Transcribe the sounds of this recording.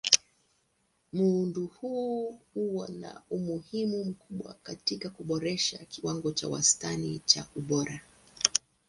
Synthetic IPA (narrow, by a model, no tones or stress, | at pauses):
muunduhuhuwɔna̰umuhimum̩kuɓwa̰katikakuɓɔɾɛʃakiwaŋɡɔt͡ʃawa̰stanḭt͡ʃa̰uɓɔɾa